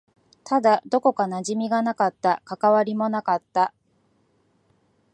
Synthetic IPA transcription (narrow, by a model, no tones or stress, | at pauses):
t̪ʰad̪ad̪o̞ko̞kanaʑimʲiɡanakat̪ːakakaβaɾʲimo̞nakat̪ːa